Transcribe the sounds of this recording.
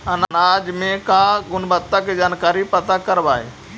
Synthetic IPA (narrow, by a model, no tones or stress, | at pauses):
ɐnnaːd͡ʒmẽkãːɡʊnbət̪ːaked͡ʒaːnkaːɾipɐt̪akɐɾʋaːɦḛː